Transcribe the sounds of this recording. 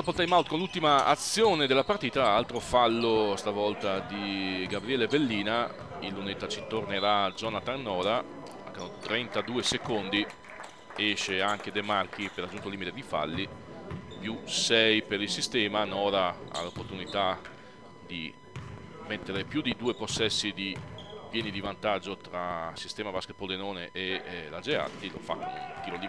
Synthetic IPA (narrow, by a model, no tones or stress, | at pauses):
apoɾt̪ad̪imawt̪konlult̪imaa̰t̪sːjoːned̪elːapart̪iːt̪aalt̪ɾofalːost̪avɔlt̪ad̪iɡabɾiɛːlebelːiːna | ilːunet̪ːat͡ʃit̪orneɾad̪zɔːnat̪anːɔːɾa | akanot̪ɾɛnt̪ad̪uːesekond̪i | ɛʃeaŋk̟ed̪emark̟ipeɾad͡ʒːunt̪oliːmit̪ed̪ifa̰lːi | pjusɛjpeɾilsist̪ɛːmanɔːɾaa̰lopːort̪unit̪a | d̪i | met̪ːeɾepjud̪id̪uːeposːɛsːid̪ipjɛːnid̪ivant̪ad͡ʒːot̪ɾasist̪ɛːmavasket̪̚pod̪enoːneʔelad͡ʒea̰t̪ːilo̰fa̰kːk̟iːloli